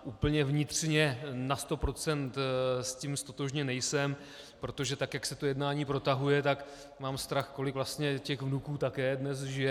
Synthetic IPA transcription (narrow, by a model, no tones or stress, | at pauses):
ʔuːpl̩ɲɛvɲɪt̪r̥ɲɛnast̪o̞pɾo̞t͡sɛnt̪scimst̪ot̪o̞ʒɲɛnɛjsɛm | pɾo̞t̪o̞ʒɛt̪akjaksɛt̪o̞jɛdnaːɲiːpɾo̞t̪aɦujɛt̪ak | maːmst̪ɾaxko̞lɪkvlast̪ɲɛcɛɣvnukuːt̪akɛːdnɛsʒɪjɛ